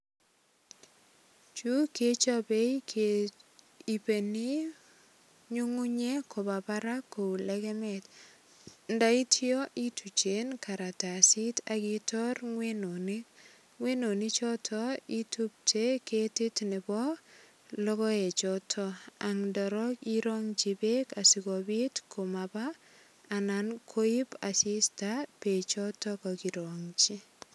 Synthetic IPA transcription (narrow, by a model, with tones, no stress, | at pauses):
t͡ʃu˦ke˦t͡ʃɔ˦be˦i | i˨pe˨ni˦ | ɲu˦ŋu˦ɲe˦kʰɔ˨ba˨pa˦ɾa˦ko˨le˦kɛ˦mɛ˨t | nda˦i˦tʰi˦ɔ˦ʔi˦tu˨t͡ʃe˨˦nkʰa˨ɾa˨ta˨si˦ta˨ki˦tɔ˦rŋwe˦no˨ni | ŋwe˦no˨ni˦t͡ʃɔ˦tʰɔ˦i˦tʰup̚tʰe˦ke˦ti˦tnɛ˨bɔ˦ | lɔ˦ɡɔ˦e˨t͡ʃɔtʰɔ˦a˨ŋdɔ˨ɾɔ˦ki˦ɾɔ˦ŋt͡ʃi˨be˦ka˨siɡɔ˨bi˦tkʰo˨mabaː˨ | na˨nkʰo˦i˦pa˨si˦sta˦pe˨t͡ʃɔ˦tɔ˦kɔɡi˨ɾoŋt͡ʃi